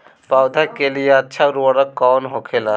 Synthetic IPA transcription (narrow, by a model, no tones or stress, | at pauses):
pawd̪ʱakelijatːʃʰaɾuaɾakɔnɦokʰela